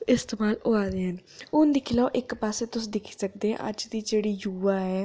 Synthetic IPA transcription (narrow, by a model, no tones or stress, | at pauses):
ɪst̪eːmaːloːaːd̪eːɦən | ʊnd̪ɪkʰɪlaoʔɪkpaːseːt̪ʊsd̪ɪkʰi̥ːsəkd̪eːɦɛ̰̃ʔə̰d͡ʒd̪iːd͡ʒeːɽiːjuːʋaːɦɛː